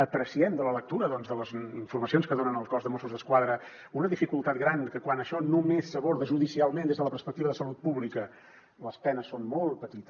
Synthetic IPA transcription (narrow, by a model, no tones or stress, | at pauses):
ət̪ɾəsiɛnd̪ələlək̚t̪uɾəðɔnzðələziɱfuɾməsionskəðonənəlˠkɔzðəmosuzðəskwaðɾə | unəðifikulˠt̪at̪̚ɡɾankəkwanəʃɔnumesːəβoɾðəʒuðisialˠmẽnd̪ezðələpəɾspək̚t̪iβəðəsəlut̪̚puβlikə | ləspɛnəsːonmolˠt̪̚pət̪it̪əs